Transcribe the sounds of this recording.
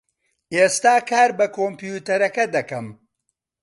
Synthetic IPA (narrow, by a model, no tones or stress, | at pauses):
ʔeːst̪aːkʰaːɾbɐkʰoːmpjut̪ɐɾɐkɐd̪ɐkɐm